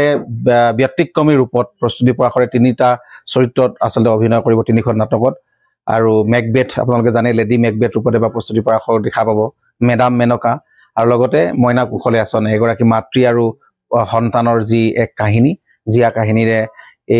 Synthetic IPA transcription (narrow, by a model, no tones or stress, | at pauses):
ɛbjɔtːikːɔmiɹupɔt̚pɹɔst̪utipɔɹaxɔɹɛtinitasɔɹitːɹɔta̰sɔltɛobʱinɔjkoɹibɔtinikʰɔnːatɔkɔt̚ | a̰ɹumɛɡ̚bɛtʰa̰p̬ʊnalʊkɛzanɛledimɛɡ̚bɛtɹupɔtɛbapɹɔst̪utipɔɹaxɔdɛkʰapabɔ | mɛdamːɛnɔka | aɹulɔɡɔtɛmɔjnakukʰɔlɛasɔnɛɡɔɹakimatɹiaɹu | xɔntanɔɹziɛkːaɦini | zijakaɦiniɹɛ | e